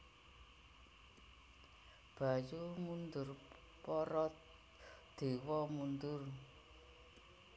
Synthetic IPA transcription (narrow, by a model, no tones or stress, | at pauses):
b̥a̤jumund̪ʊr | pɔɾɔt̪̚ | d̪̥e̤wɔmund̪ʊr